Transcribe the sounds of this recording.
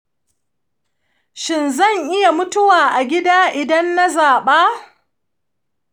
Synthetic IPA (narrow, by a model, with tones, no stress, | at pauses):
ʃɪ˨nzɐ˦˨ŋʔɪ˦ja˨mʊ˦tʊ˦waː˨ʔa˨ɡʲɪ˦daː˦ʔɪ˨dɐ˦nːa˦zaː˨ɓaː˦